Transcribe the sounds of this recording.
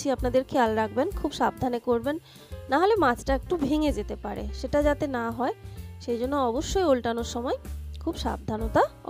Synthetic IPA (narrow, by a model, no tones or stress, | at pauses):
iapnad̪eɾkʰealɾak̚ʰbenkʰubʃab̚d̪ʱanekoɾbenː | aɦolemad͡ʑʈaek̚ʈubʱeŋed͡ʑet̪epaɾḛʃeʈad͡ʑat̪enaɦɔeʃejd͡ʑonːoɔboʃːojolʈanoɾʃɔmɔekʰubʃa̰b̚d̪ʱanot̪a